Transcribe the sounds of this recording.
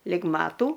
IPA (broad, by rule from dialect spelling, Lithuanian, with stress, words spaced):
lʲɪk ˈmɑːtuː